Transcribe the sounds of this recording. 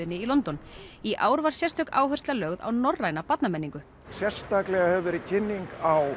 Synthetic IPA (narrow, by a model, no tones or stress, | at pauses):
ɪnːɪilɔnt̪ɔniʔaːwɾvaɾ̥sjɛst̪œka̰ːwɦœrst̪lalœɣða̰wnɔrːajnapat̪namɛnːiŋkʏ | sjɛr̥st̪aklɛɣahɛvɛɾɪcʰɪnːiŋkaw